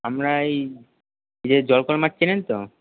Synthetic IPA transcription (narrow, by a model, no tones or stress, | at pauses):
amɾaj | nid͡ʑed͡ʑɔlkɔlmaʈ̚ːt͡ɕʰilent̪o